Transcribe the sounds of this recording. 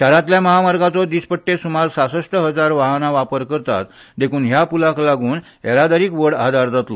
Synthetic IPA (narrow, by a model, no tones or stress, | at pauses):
kaɾãt̪ljaməɦamaɾɡãt͡sɔd̪ispəʈːesumaɾsasəʂʈəɦəd͡zaɾʋaɦənaʋapəɾkəɾt̪a̰t̪ | d̪ekʰuːnɦjapulaklaɡuːn | eɾad̪aɾiːkʋəɽa̰d̪aɾd͡zat̪lɔ